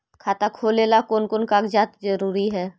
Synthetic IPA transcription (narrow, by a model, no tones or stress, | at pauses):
kʰaːt̪akʰoːleːlakoːnkoːnkaːɡd͡ʒaːt̪zɐɾuːɾiɦɛː